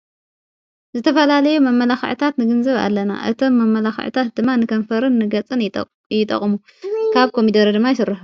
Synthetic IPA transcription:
zɨt̪ʰɐfɐlalɐjumɐmːɐlaxʕt̪ʰat̪nɨɡɨnzɐβa̰lːɐna̰ʔɨ̰t̪ʰomːɐmːɐlaxʕɨ̰t̪ʰat̪̚d̪ɨmːanɨkʰɐnfɐɾɨnːɨɡɐt͡sʼɨn | jɪt̪ʼɐ̰χʼmu | kʰaβkʰomid̪ɐɾɐd̪ɨmːajɪsɨrːɨħ

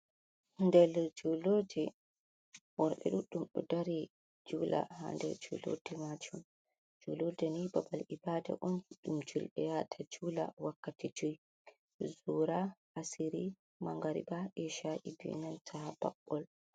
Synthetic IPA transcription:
ndɛld͡ʒuloːd͡ʒɛ | wɔɾɓɛ̰ɗuɗumɗɔ̰daɾi | d͡ʒula̰ha̰ndɛ̰ɾd͡ʒṵlo̰dɛmad͡ʒum | d͡ʒulodɛnibabalibaːda̰ʔonɗumd͡ʒulɓɛjatʰad͡ʒuːla̰wakːatid͡ʒuj | zuːɾaʔasiɾi | maŋɡaɾḭbaʔɛʃaʔibḭnantʰab̥a̰ɓːɔl

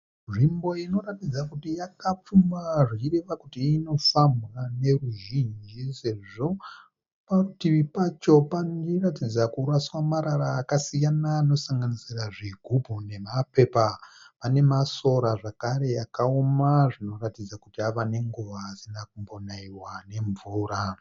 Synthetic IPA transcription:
ʐimbo̞ino̞ratid͡zakutijakap͡fumaʐiireʋakutiino̞fambɣane̞ruʒind͡ʒise̞ʐo̞ | parutiʋipat͡ʃo̞pandiratid͡zakuraswamaɾaɾaːkasijanaːno̞saŋɡanisiraʐiɡʱubʱune̞mape̞papane̞maso̞ɾaʐakaɾe̞jakaomaʐino̞ratid͡zakutiaʋane̞ŋɡuʋaːsinakumbo̞naiwane̞ɱvuːɾa

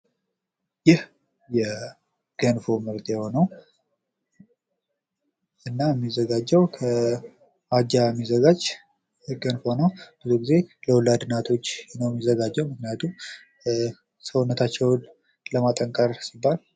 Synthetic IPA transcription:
jɪh | jɛ | ɡ̥ənfo̞mɨɾt̪jɛho̞nəw | ʔɨnːajɛmːizəɡad͡ʒːɛwkʰə | ad͡ʒajmːizəɡad͡ʒ | ɡənfo̞nəwb̥ɨzuɡize̞ləwʊlad̪ɨnat̪ʰo̞t͡ʃːnəwɛmːizəɡad͡ʒːɛwmɨknijat̪ʰum | səwnːət̪ʰat͡ʃːɛw | ləmat̪ʼəŋkʼəɾsibːal

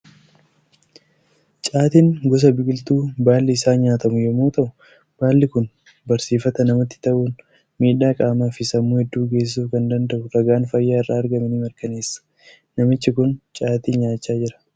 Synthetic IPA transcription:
t͡ʃʼaːt̪iːŋɡɔs̬ɐbɪɡɪlt̪uːbaːlːɪɪsaːɲaːt̪ɐmʊjɛmuːt̪ɐʔʊ | b̥aːlːɪkʊn | bɐɾsiːfɐt̪ɐnɐmɐt̪ːɪ̥t̪ɐʔuːn | miːᶑaːkʼaːmaːfɪsɐmːuːhɛd̪ːuːɡe̞ːs̬ɪsuːfkɐnd̪ɐnd̪ɐʔʊɾɐɡaːnfɐjːaːrːaːɐɾɡɐmɛnɪmɐɾkɐneːsːɐ̥ | nɐmɪt͡ʃːɪkʊnt͡ʃʼaːt̪iːɲaːt͡ʃːaːd͡ʒɪɾɐ̥

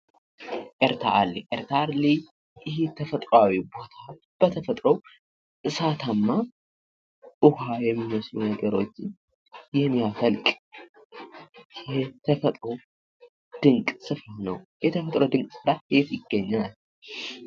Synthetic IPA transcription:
ʔeɾt̪ʰa̰ʔaliʔeɾt̪ʰaɾli | ʔɪhet̪ʰəfət̪ʼɾawibo̞t̪ʰa | b̥ət̪ʰəfət̪ʼɾəw | ʔɨsat̪ʰamːa | ʔʊhajɛmːiməslunəɡəɾo̞t͡ʃːɪn | jɛmːiafəlkʼ | jɛt̪ʰəfət̪ʼɾow | d̪̥ɨŋkʼsɨfɾanəwjɛt̪ʰəfət̪ʼɾowd̪ɨŋkʼsɨɾahet̪jɪɡːəɲːal

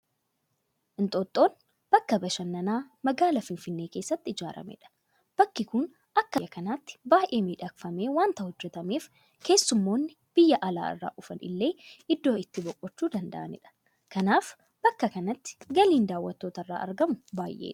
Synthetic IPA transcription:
ʔɪnt̪ʼoːt̪ʼːo̞ːn | b̥ɐkːɐbɐʃɐnːɐnaːmɐɡaːlɐfɪnfɪnːeːke̞ːsːɐt̪ːɪɪd͡ʒa̰ːɾɐ̰mɛ̰ᶑɐ̥ | b̥ɐkːɪkʊn | ʔɐkːɐɐkɐnaːt̪ːɪ̥baːjʔe̞ːmiːᶑɐkfɐme̞ːwaːnt̪ɐhɔd͡ʒːɛt̪ɐmeːf | ke̞ːsːʊmːo̞ːnːɪ | b̥ɪjːɐʔɐla̰ːɪ̰rːa̰ːʔʊfɐnʔɪ̰lːe̞ːɪd̪ːo̞ːɪt̪ːɪbɔkʼːɔt͡ʃːuːd̪ɐnd̪ɐ̰ʔɐ̰nɪ̰ᶑɐ̥ | kɐnaːf | b̥ɐkːɐkɐnɐt̪ːɪ̥ɡɐliːnd̪aːwːɐt̪ːo̞ːt̪ɐrːa̰ːʔɐ̰ɾɡɐmʊbaːjʔḛːᶑɐ̥

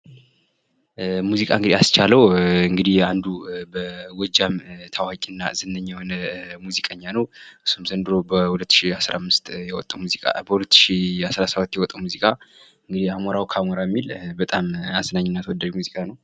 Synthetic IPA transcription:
muzikʼaɨŋɡɨd̪iast͡ʃʰaləwɨŋɡɨd̪ihand̪ubəwɔd͡ʒamt̪ʰawakʼɨnːa̰zɨnːəɲːjɛhonəmuzikʼəɲːanəwʔɨsːumzənd̪ɨɾobəhulət̪ːɨ̥ʃiasɾa̰mːɨst̪jɛwɔ̰t̪ʼːəwmuzikʼa̰bəhulət̪ːɨ̥ʃiasɾasabat̪ːjɛwɔt̪ʼːəwmuzikʼa | ɨŋɡɨd̪ihamoɾawkʰamoɾajmːilbət̪ʼamasnaɲːɪnːat̪ʰwɔd̪ːaʒmuzikʼanəw

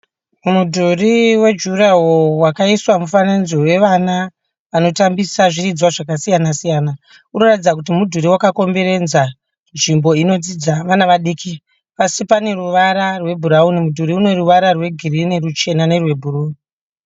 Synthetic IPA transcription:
mudʱuriwe̞d͡ʒurawowakaiswamufananziwe̞ʋana | ʋano̞tambisaʐiɾid͡zwaʐakasijanasijaːna | uno̞ratid͡zakut̬imudʱuɾiwakako̞mbe̞ɾe̞d͡zza | nʐimbo̞ino̞d͡zid͡zaʋanaʋaɗikʰi | pasipane̞ruʋaɾarwe̞bʱuɾaunimudʱuɾiune̞ruʋaɾarwe̞ɡʱiɾinerut͡ʃe̞nane̞rwe̞bʱuruni

